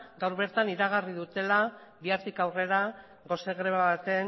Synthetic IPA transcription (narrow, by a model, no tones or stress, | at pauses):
ɡawɾβe̞ɾt̪aniɾaɣariðut̪e̞la | βiaɾt̪ikawre̞ɾa | ɣo̞seɣɾeβaβat̪e̞n